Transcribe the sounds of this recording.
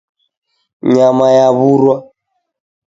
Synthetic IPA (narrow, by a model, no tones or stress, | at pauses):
ɲamajaβuɾwa